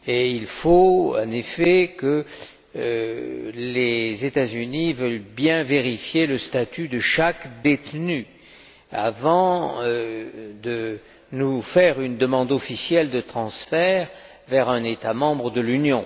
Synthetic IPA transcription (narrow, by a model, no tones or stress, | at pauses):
eilfoɑ̃nefɛkə | lezet̪azynivœlbjɛ̃veʁifjeləst̪at̪yd̪əʃakd̪et̪ny | avɑ̃ | d̪ə | nufɛʁynd̪əmɑ̃d̪ɔfisjɛld̪ət̪χɑ̃sfɛʁ | vɛʁɛ̃net̪amɑ̃bʁəd̪əlynjɔ̃